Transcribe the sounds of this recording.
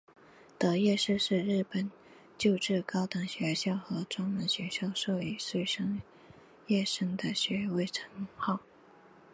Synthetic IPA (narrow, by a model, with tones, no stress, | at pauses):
t̪ɤ˧˥jɛ˥˧ʂɻ̩˥˧ʂɻ̩˥˧ɻɻ̩˥˩pə˨˩n | t͡ɕjo˥˧ʊʈ͡ʂɻ̩˥˩kɑ˥ʊt̪ɤ˧˥ŋɕɥɛ˧˥ɕjɑ˥˩ʊxɤ˧˥ʈ͡ʂwɑ˥ŋmə˧˥nɕɥɛ˧˥ɕjɑ˥˧ʊʂɤ˥˧i˨˩ʂwe˥˩ɪʂɤ˥ŋ | jɛ˥˩ʂə˥ŋd̪ə˨ɕɥɛ˧˥we˥˩ɪʈ͡ʂʰɤ̥˧˥ŋxɑ˥˩ʊ